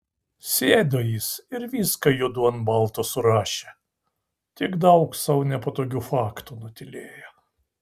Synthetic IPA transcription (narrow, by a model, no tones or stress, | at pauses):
sʲeːd̪oːjiːsɪɾʋʲiːskɐjuɔd̪uɐnbɐlˠt̪oːsʊɾɑːʃʲe | t̪ʲɪɡd̪ɐʊksɐʊnʲɛpot̪oːkʲuːfɑːkt̪uːnʊt̪ʲɪlʲeːjɛ